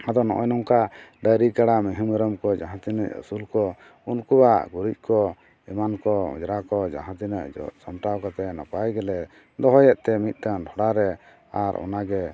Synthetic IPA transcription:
ad̪ɔnɔ̰ʔɔjnɔŋkaɖəɾikaɽamiɦiməɾəmkɔd͡ʒaɦãt̪inəcṵsulkɔ | unkuwaʔɡuɾic̪̚ˀkɔ | ɛmankɔɔ̰̃d͡ʒɾakɔd͡ʒa̰ɦãt̪inəʔsɔmʈawkat̪ɛnapajɡɛlɛ | d̪ɔɦɔjɛʔ̪̚t̪ɛmit̪̚ˀt̪anɖʰʱɔɽaɾɛ | aɾʔɔ̰naɡɛ

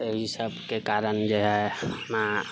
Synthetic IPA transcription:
eɦisəbʱkekaɾənd͡ʒeɦɛma

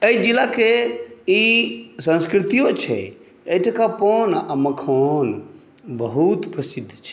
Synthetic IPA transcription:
əid͡ʒilakeisə̃nskɾit̪ijot͡ʃʰɛ̰ | eiʈʰakaponəməkʰon | bəɦut̪pɾəsid̪ʱːt͡ʃʰɛ̥

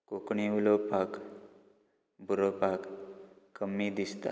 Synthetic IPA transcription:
kokɳiʋulopak | bʱuɾopakkːəmːid̪ist̪a̰

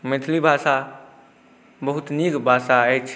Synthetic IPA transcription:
met̪ʰlibʱasa | bəɦut̪niɡbʱasaəjt͡ʃʰ

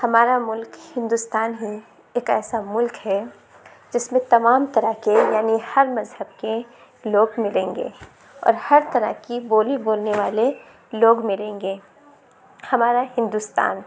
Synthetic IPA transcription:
hɐmaːɾamʊlkhɪ̃nd̪ʊst̪aːnɦi | eːkɛ̰ːsamʊlkɦɛ | d͡ʒɪsmẽt̪ɐmaːmt̪ɐɾəɦkejaːnihɐɾmɐzhəbke | loːɡmɪlẽːŋɡḛː | ɔ̰ːɾhɐɾt̪ɐɾə̰ɦkiboːliboːlneʋaːle | loːɡmɪlẽːŋɡeː | hɐmaːɾahɪ̃nd̪ust̪a̰ːn

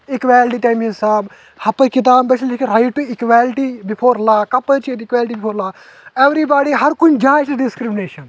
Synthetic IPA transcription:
ikʋaːlɪʈiʈajmĩnsaːb | hɐpːɐkit̪̬aːbbɐt͡ʃʰlikɾɐjʈːuikʋaːlʈibipʰoːɾlaːkɐpːɐt͡ʃit̪ikʋaːlɪʈibipʰoːɾlaː | eʋɾibaːɖiɦɐɾkund͡ʒaːjsɖɪskɾimɪneːʃɐn

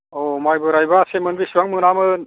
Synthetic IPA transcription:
ɔmajbɯɾajbasemɯnbisuwaŋmɯnamɯn

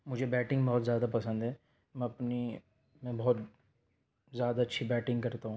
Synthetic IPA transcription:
mʊd͡ʒʱebɛːʈɪ̃ŋɡbɔɦːt̪zjaːd̪apɐsə̃nd̪ɦɛː | mɛ̃ɐpni | mɛ̃bɔɦɔt̪ | zjaːd̪aɐtːʃʰibɛːʈɪ̃ŋɡkɐɾt̪aɦũː

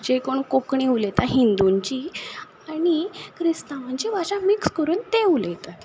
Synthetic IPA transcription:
d͡ʑekoɳkokɳiulet̪aɦind̪uɲt͡ɕi | aɽ̃ikʰɾist̪am̤əɲd͡ʑiʋat͡ɕãmikskəɾuːnt̪eulet̪at̪

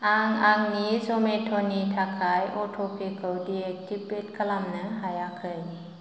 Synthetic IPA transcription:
ʔaŋaŋnisometʰonit̪ʰakʰajʔotʰopʰekʰəwdiek̚t͡ɕipːet̪̚kʰalamnɯɦajakʰɯjɲ

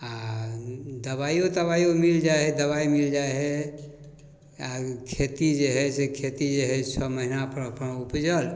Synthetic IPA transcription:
a | d̪əbaiot̪əβajomild͡ʒaɦɛd̪əbaimild͡ʒajɦɛ | akʰet̪id͡ʒeɦɛjsekʰet̪id͡ʒeɦɛsʰəməɦinapɾəpəñupd͡ʒəl

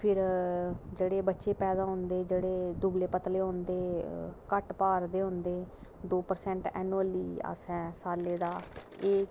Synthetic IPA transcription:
pʰɪɾ | d͡ʒeːɽeːbətːʃeːpɛːd̪aːɦʊ̃nd̪eːd͡ʒeːɽeːd̪uːbleːpət̪leːɦʊ̃nd̪eːkəʈpaːɾd̪eːɦʊ̃nd̪eːd̪oːpəɾsɛ̃ːɳʈɛ̰ːnuəliːa̰sɛ̃ːsaːleːd̪aː | eː

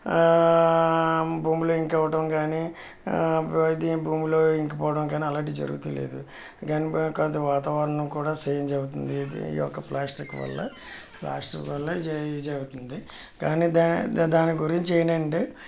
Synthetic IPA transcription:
buːmlo̞ːiŋkɐʋɐʈɐmkaːni | id̪ibuːmlo̞ːiŋkipɔːɐʈɐmkaːniɐlaːʈiːd͡ʒɐ̰ɾuɡut̪ulḛːd̪ṵ | ɡaːnikont̪ɐʋaːt̪aːʋanɐnukuːɽaːseːjɐnd͡ʒɐɡut̪̬und̪id̪ḭɔ̰kːɐplaːsʈikʋɐ̰lːɐ̰pla̰ːsʈikʋɐlːɐd͡ʒeɡut̪und̪i | kaːniːd̪ad̪aːniɡuɾiɲt͡ʃeːnɐɳɖi

